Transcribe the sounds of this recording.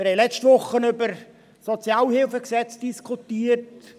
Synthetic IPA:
əɾɛlɛt͡ʃtvʊχːənʏbəɾ | sɔt͡sjaːlhɪlfəksɛt͡sd̥iskʰutiːəɾt

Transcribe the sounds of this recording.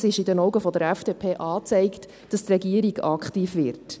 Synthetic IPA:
sɪʃɪdɛnɔwɡəfɔdəɾɛfd̥epʰeːʔɑːt͡sɛɪkt | d̥ɑstrɛɡiəɾiɡɑkχtiːfvɪɾt

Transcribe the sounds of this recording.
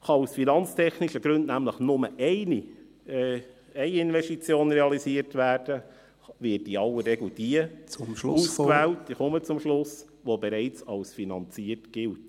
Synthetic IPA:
χɑusfinɑnt͡stʰɛχniʃəɡ̥ɾɵndnæmləχnʊməʔɛɪni | ɛɪɪnʋɛʃtit͡sjoːnɾeɑlisiəɾtvæːɾd̥ə | ʋɪtiɑlːəreɡl̩d̥iə | uːsskvæːltd̥iχɔmət͡sʊmʃlʊs | ʋobɛɾɛɪt͡sɑwsfinɑnt͡siəɾtɡ̥ɪlt

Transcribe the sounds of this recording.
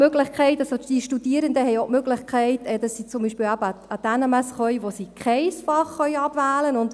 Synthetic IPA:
møɡlɪχkʰɛɪtɑsod̥iʃtudiəɾəndəhɛjoʊmøɡlɪχkʰɛɪtɛd̥ɑsːit͡sʊmbiʃpɪlæbəɑd̥ænɑmæsχœjʋosikχɛɪsfɑχːœʏɑbvæːlənʊnd̥

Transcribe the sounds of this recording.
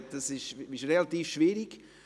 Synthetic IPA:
td̥asɪʃɪʃrelat̪iːfʃviːɾɪk

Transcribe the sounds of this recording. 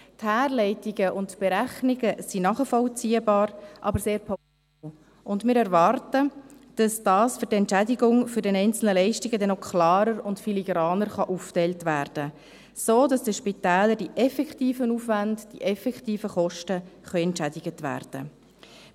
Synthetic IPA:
thæːɾlɛɪtɪɡəʔʊntb̥eɾæχniɡəsinɑχəfɔlt͡siːəbɑːɾʔɑbəɾseːɾpʰɔ | ʊndmɪːɾɛɾʋɑrtəd̥ɑsd̥ɑːsføɾdɛntt͡ʃædiɡʊŋfʏɾdɛnɛɪnt͡sl̩nəlɛɪʃtɪɡədɛnɔkʰlɑːɾəɾʊntfiliɡɾɑːnəɾχɑʔuftɛltʋæːɾd̥ə | soːdɑsd̥əʃpitɛːləɾdiʔɛfɛktiːfənuːfʋandd̥iʔɛfɛkχtiːfəχɔʃtəχœʏɛntt͡ʃædɪɡətʋæ̰ːɾd̥ə̰

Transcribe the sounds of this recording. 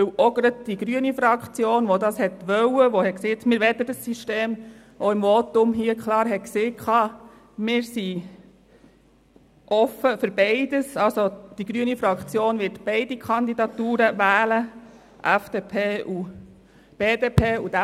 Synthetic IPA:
ɵwʔɔɡɾəd̚d̥iɡ̥ɾyənifɾɑkχt͡sjoːnʋɔd̪ɑshɛt̪ʋœwəʋohɛkseːtmɪːɾʋɛt̪ːədəsːyʃteːm | ʔoɪmʋɔt̪ʊmɦiːəkχlɑːɾɦɛtkseːkʰχɑː | mɪːɾsi | ʔɔfəfɵɾbeɪdəsɑlsod̥iɡ̥ɾyənifɾɑkt͡sjoːnʋɪɾtb̥eɪdikχɑnd̪idɑt̪uːɾəʋæːlə | ʔæfd̥eːpʰeːʔu | b̥eːdeːpʰeːudæ

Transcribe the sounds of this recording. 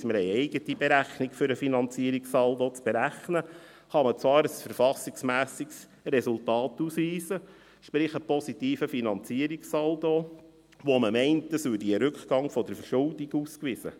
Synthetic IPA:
sməɾɛɪɛɪɡətibeɾæχnikfʏɾəfinɑnt͡siəɾiksɑld̪ɔt͡sb̥eɾæχnə | χɑmət͡svʋɑːɾəsfəɾfɑsiksmæːsiks | ɾɛsultɑːtuːsʋiːsə | ʃpɾɪχəpɔsitiːfəfinɑnt͡siəɾiksɑld̪o | ʋoməmɛɪntdəsʉdiəɾʉkχɡ̥ɑŋfɔd̥əɾfəɾʃʊldiɡuːskʋɪsə̰

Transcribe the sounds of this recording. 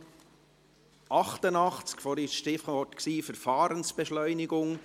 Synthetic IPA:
ɑχt̪ənɑχt͡skfɔɾɪʃʃtɪfɔtksiːfəɾfɑːɾənsb̥ɛʃlœʏnɪɡʊŋ

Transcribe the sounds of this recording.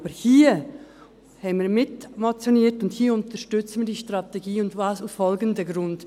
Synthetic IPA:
bəhiː | hɛnviːɾmɪtmot͡sjoniːtʊnthiːəʊntəʃtʏt͡sən̩viːdiːʃtʁɑtɛɡiːʊndvɑːsasfɔlɡən̩dəɡɾʊnd̥

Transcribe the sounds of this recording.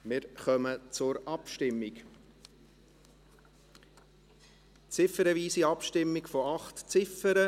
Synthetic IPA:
mɪɾχœmət͡sʊɾɑpʃtɪmːɪk | t͡sɪfəɾəviːsiɑpʃtɪmːikfɔɑχtt͡sɪfəɾə

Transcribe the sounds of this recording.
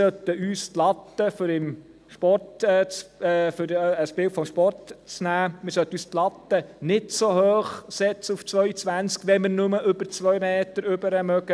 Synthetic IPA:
sœt̪ːəyːstlɑt̪ːəfɾɪm | ʃpɔtɛt͡sːfʏɾəsbɪltfɔmʃpɔrtt͡snæːmɪɾsœt̪əyːst̪lɑt̪ːənɪtsohøːχsɛt͡səuft͡sʋœʏt͡sʋænt͡skʋɛmɪɾnʊməʔʏbəɾt͡sʋœjmeːt̪əɾʏbəɾəmœɡə

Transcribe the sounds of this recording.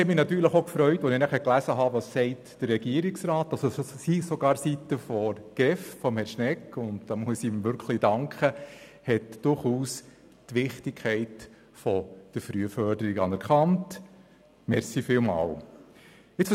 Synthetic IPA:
ɛtmɪnɑt̪yːɾləχokfɾœʏtʋonɪnæχɛɾklæsəɦɑʋɑsːɛɪtd̥əɾːɛɡ̥iəɾiksɾɑːtɑlsosisɔɡ̥ɑːɾsitəfɔɾɡ̥ɾɛffɔmhɛɾʃnɛkːʊntd̥ɑmuəsimʋʏɾkχlid̥ɑŋkχəhɛtd̥ʊɾχuːs | tʋɪχtɪkʰχɛɪt | fɔd̥əɾfɾyəfœɾdəɾiɡɑnɛɾkɑnt | mɛɾsifɪlmɑ̰ːw | ɪt͡s

